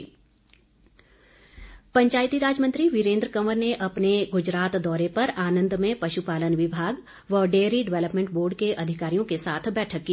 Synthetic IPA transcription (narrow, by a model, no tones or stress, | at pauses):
pɐ̃ɲt͡ʃaːjt̪iɾaːd͡ʒmə̃nt̪ɾiʋɪɾẽːnd̪ɾəkɐməɾneʔɐpneɡʊd͡ʒɾaːt̪d̪ɔːɾepɐɾaːnə̃nd̪mẽpɐʃupaːlənʋɪbʱaːɡ | ʋɔːɾɖeːɾiɖɪʋɛləpmẽːɳʈboːɾɖkeʔɐd̪ʱɪkaːɾijõkesaːt̪ʰbɛːʈʰəkːiː